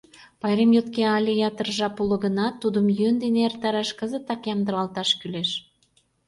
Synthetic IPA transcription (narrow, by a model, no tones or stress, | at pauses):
pɑjɾemjot̪keɑlʲejɑt̪ərʒɑpulə̆ɣə̆nɑt̪ːud̪əmjønd̪eneert̪ɑɾɑʃkəzə̆t̪ɑkjɑmd̪əɾɑlt̪ɑʃkyleʃ